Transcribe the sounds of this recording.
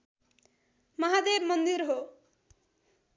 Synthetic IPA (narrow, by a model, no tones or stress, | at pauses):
mʌɦad̪ebmʌnd̪iɾɦo